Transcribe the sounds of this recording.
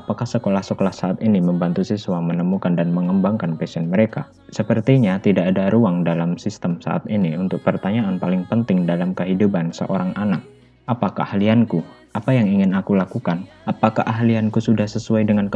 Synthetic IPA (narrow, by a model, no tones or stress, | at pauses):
apakahsəkolahsəkolahsaʔat̪iniməmbant̪usiswamənəmukandanməŋəmbaŋkanpɛsɛnməɾeka̰ | səpərt̪iɲat̪idaʔːdaɾuaŋdalamsist̪əmsa̰ʔa̰t̪iniunt̪ʊk̚pərt̪aɲaʔanpalɪŋpənt̪ɪŋdalamkəɦidupansə̰ʔoɾaŋanak̚ | ʔapakahalianku | apajaŋiŋɪnakulakukanʔapakaʔaɦliankusudahsəsuajdəŋank